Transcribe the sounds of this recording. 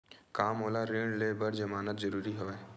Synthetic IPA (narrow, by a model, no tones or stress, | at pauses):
kaːmɦoːlaɾeːɳɖleːbəɾd͡ʒɐmaːnət̪zɐɾuːɾiɦoːeː